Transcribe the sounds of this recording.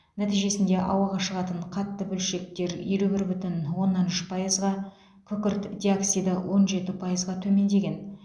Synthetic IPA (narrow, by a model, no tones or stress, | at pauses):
næt̪ijʒe̞sɪnd̪e̞ʔɑ̰wɑʁɑʃəʁɑt̪əɴqʰɑt̪ːəbɵlʃe̞k̚t̪e̞ɾḭjɾubɪɾbʏt̪ɪnwo̞nːɑnʏʃpʰɑjəzʁɑ | kʲʰʏkʲɪɾt̪d̪ʲioksijd̪əwʔo̞nʒe̞t̪ɪpʰɑjəzʁɑt̪ʰɵme̞nd̪e̞ɡʲe̞n